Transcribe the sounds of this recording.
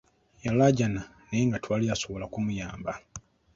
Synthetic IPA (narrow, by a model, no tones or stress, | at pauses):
jalaɟana | neŋɡatwaːliaso̞βolakumujaːmba